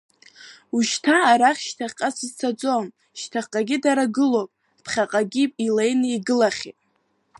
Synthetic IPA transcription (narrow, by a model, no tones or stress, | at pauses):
uʃtʰaːɾaχʲʃtʰaχʲqʼasɨzt͡sʰad͡zʼom | ʃtʰaqʼaɡʲidaɾaɡɨlopʼ | pʰχʲaqʼaɡʲipʼilejnɨiɡɨlaχʲḭtʼ